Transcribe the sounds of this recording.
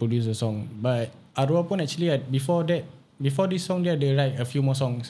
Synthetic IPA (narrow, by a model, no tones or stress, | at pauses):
pɹodjus̬əsɔ̃ŋbat̚ | aɾuapɔ̃nɛk̚t͡ʃuəliabifɔdɛt̚ | bifɔdisːɔ̃ŋdɛdeɹajtəfjumɔsɔ̃ŋs